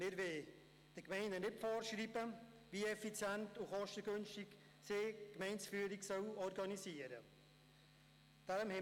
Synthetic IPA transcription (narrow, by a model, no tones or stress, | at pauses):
mɪɾveː | d̥əkmɛɪnənɪtfɔːɾʃriːbə | viɛfit͡sjɛntʊχɔʃtəɡønʃtɪk | sekmɛɪnsfyːəɾiksœlɔɾɡɑnisiːəɾə | d̥ɛɾəmhɛ